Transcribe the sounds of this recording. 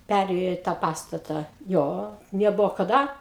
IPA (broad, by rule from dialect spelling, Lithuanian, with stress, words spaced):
pʲɛˈrʲeːjoː ɪ ˈtɑː ˈpɑːstɐtɑː ˈjoː nʲɛˈbʊʋoː kɐˈdɐ